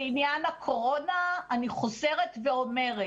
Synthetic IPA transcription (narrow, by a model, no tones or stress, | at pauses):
injanakʰo̞ʁo̞naːniχo̞ze̞ʁetveo̞me̞ʁe